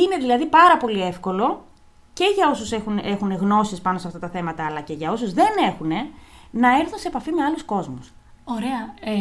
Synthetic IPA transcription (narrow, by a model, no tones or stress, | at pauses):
ine̞ðilɐðipɐɾɐpo̞lie̞fko̞lo̞ | ce̞ʝɐo̞suse̞xune̞xune̞ɣno̞sispɐnosɐft̪ɐt̪ɐθe̞mɐt̪ɐːlɐce̞ʝɐo̞suzðe̞ne̞xune̞nɐe̞ɾθunseːpɐfimeɐlusko̞zmus | oɾe̞ɐ